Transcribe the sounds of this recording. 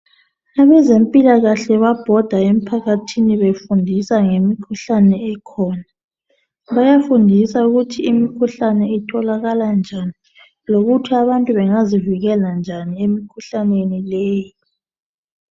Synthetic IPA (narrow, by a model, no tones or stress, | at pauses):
aβɛzempʼilaɣaɬɛβab̥ʱɔd̥ʱaem̩pʰaɣatʰiniβefundʱisaŋemikʰuɬanɛɛkʰɔːna | βajafundʱisauɣutʰiːmikʰuɬanɛitʰɔlaɣaland͡ʒʱani | loɣutʰiaβantʼuβɛŋaziviɣɛland͡ʒʱaniemikʰuɬanenilɛːjii